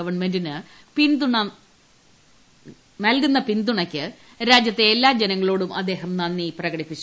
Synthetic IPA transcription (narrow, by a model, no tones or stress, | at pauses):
ɐʋɐɳme̞ndinɨ | pind̪uɳɐ | nɐlkunːɐpind̪uɳɐkʲːɨ | ɾaːd͡ʑjɐt̪ːe̞ːlːaːd͡ʑenɐŋːɐɭoːɽumʔɐ̰d̪ːe̞ːɦɐmnɐnːiprɐɡɐɽipːit͡ɕː